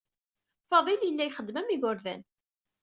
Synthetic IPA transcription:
fɑðˤiljəlːæjχəd̪ːmæmiɡʊɾðæ̰n

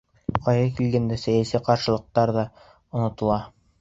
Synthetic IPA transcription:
qɑjðɤkilɡænd̪æsæjæsiqɑɾʃɤ̆lˠɤ̆q̚t̪ɑɾðɑ | ŏnŏt̪ɤ̆lˠɑ

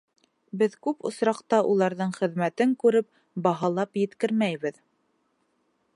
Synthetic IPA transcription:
bɘðkʉpŏ̰sɾɑqt̪ɑʔulˠɑɾðɤɴχɘ̆ðmæt̪ɘŋkʉɾɘp̚ | bɑɦɑlˠɑpjɘ̆t̪kɘɾmæjβɘð

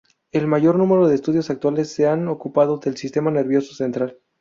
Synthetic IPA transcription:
e̞lmaʝo̞ɾnũme̞ɾo̞ð̞eːst̪uð̞jo̞sak̚t̪wale̞sːe̞ano̞kupað̞ode̞lsist̪e̞mane̞ɾβjo̞sose̞nt̪ɾal

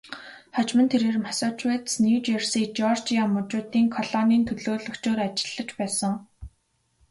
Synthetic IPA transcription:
χɔt͡ɕmə̆nt̪ʰeɾeːrmasʊːt͡ɕweːt̪sniwt͡ɕersiːk̚t͡ɕɔrt͡ɕiamʊt͡ɕʊːt̪iːŋkʰɔɮɔniːnt̪ʰɵɮoːɮɵ̆kt͡ɕoːɾat͡ɕɪ̥̆ɮːə̆t͡ɕpæːsə̆ŋ

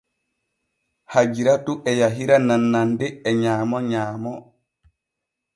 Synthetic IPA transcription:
had͡ʒiɾatuʔɛjaɦiɾananːandɛːɲaːmɔɲaːmɔ

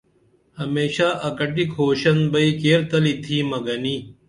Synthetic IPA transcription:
hɐmeːɕaːʔɐkɐʈikʰoːɕɐnbɐikeːɾt̪ɐlit̪ʰiːmɐɡɐniː

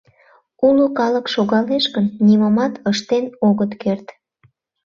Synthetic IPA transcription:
ulukɑləkʃoɣɑleʃkənːiməmɑt̪əʃt̪enoɣət̪kert̪

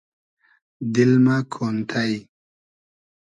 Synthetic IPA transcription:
d̪ilmakʰont̪ʰaj

